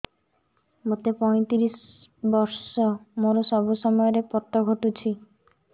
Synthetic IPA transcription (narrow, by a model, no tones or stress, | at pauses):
mot̪epɔj̃t̪iɾis | bɔɾsɔmoɾosɔbusɔmɔjɔɾepɔt̪ːɔɡʱɔʈut͡ʃʰi